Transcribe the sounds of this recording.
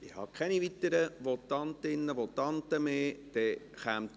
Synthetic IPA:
ɪhɑ̰ːkʰɛnivit̪ːəɾəʋɔt̪ɑnt̪ɪnːəʋɔt̪ɑnt̪əmeːd̥̪ɛχæmt̪

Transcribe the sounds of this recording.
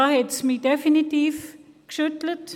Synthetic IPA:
ahɛtsmidɛfinitivkʃutlət

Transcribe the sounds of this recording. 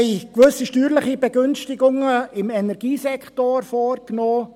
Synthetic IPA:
ɛɪkʋøsiʃtyːɾlɪχib̥ɛɡʏnstɪɡʊŋəɪmɛnɛɾɡ̥iːsɛkχtoɾfoːɾknoː

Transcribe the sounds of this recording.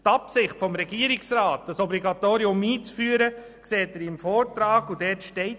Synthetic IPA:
tɑpsɪχtfɔmɾɛɡiːəɾɪksɾaːt̚d̥ɑsɔbliɡɑtoːɾiʊmiːt͡sfyːəɾə | kseːtəɾɪmfɔːɾtɾɑːɡudɛːtʃtɛɪ

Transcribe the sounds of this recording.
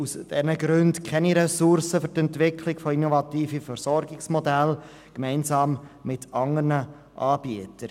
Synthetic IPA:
usd̥ɛnəɡɾʏntkʰɛniɾɛsʊɾsəfʏɾtɛntʋɪkʰlɪɡfɔinɔvɑtiːfifœɾsɔɾɡɪksmɔdæl | kmɛɪnsɑːmmɪtɑŋəɾnə | ʔɑːb̥iətəɾ

